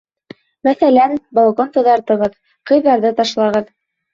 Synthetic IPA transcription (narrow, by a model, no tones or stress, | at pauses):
mæθælænbolˠkont̪ŏðɑɾt̪ɤ̆ʁɤð | qɤ̆jðɑɾðɤt̪ɑʃlˠɑʁɤð